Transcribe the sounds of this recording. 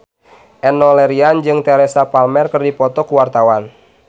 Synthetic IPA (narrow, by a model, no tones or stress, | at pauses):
ʔɛnɔlɛɾiand͡ʒɨŋt̪ɛɾɛsapalmɛrkɨrdipɔt̪ɔkuwart̪awan